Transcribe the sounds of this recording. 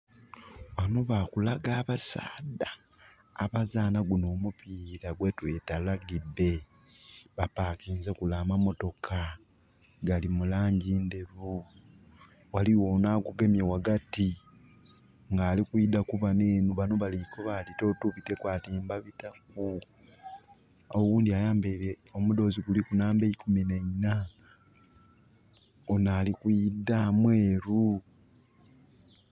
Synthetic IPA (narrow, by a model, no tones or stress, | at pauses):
wano̞βakulaɡaːβasa̰ːdaː | βazaːnaɡuno̞ːmupiːɾaɡwetwetalaɡide̞ | βapaːkiːnzekulaːmamo̞to̞kʰa | ɡalimulaːɲɟiːndeβu | waliwonaɡuɡe̞mjewaɡati | ŋɡaːlikuidakuβaneːnuβanoβalikoβalito̞tuβite̞kwaːtiːmbaβitak̚u | owuːndiajaːmbeɾe | omudo̞ːziɡulikunaːmbeikumineina | onaːlikujidːamweːɾu